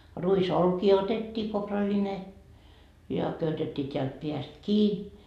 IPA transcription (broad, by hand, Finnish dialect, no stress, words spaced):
ruisolkiː otetːiː koprɑline jɑ køytetːiː teælt peæst kiː